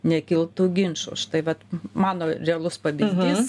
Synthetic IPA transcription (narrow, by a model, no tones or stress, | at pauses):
nʲɛkʲɪlˠt̪uːɡʲɪnʃo̰ʃt̪ɐɪʋɐt̪mɑːnoːɾʲɛɐlˠʊspɐbʲɪnʲdʲɪs